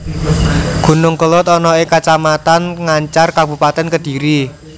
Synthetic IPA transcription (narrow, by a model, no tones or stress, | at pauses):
ɡ̥ṳnʊŋkəlʊt̪ɔnɔɪkat͡ʃamat̪anŋaɲt͡ʃarkabṳpat̪ɛnkəd̥i̤ɾi